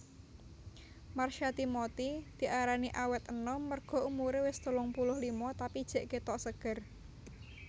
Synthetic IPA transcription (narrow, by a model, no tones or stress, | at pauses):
marʃat̪imɔt̪id̪̥i̤ʔaɾaniʔawɛt̪ənɔmərɡ̥ɔ̤ʔumuɾewɪst̪ulɔŋpulʊhlimɔt̪apid̥ʒ̥ɛ̤ʔket̪ɔʔsəɡ̥ər